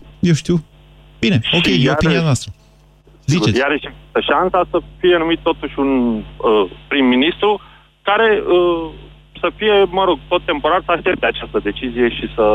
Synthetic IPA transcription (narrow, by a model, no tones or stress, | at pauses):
jewʃt̪iw | b̥ineokejoinianwast̪ɾə | zit͡ʃejaɾeʃivist̪əʃansasəfije̞numit̪ːo̞t̪uʃʲunəpɾimːinist̪ɾu | kaɾe̞ə | səfije̞məɾo̞ɡ̚t̪o̞t̪̚ːe̞mpo̞ɾarsəaʃt̪ep̚t̪eat͡ʃast̪əd̪e̞t͡ʃizije̞ʃisə